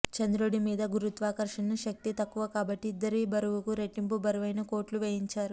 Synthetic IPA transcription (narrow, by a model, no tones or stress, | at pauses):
t͡ʃɐnd̪ɾuɽimiːd̪ɐɡuɾut̪ʋaːkɐɾʂɐnɐʃɐk̚t̪it̪ɐkːuʋɐkaːbɐʈːiːd̪ːɐɾibɐɾuʋukuɾeʈːimpubɐɾuʋɐjnɐko̞ːɾʈluʋeːɦiɲt͡ʃaːɾu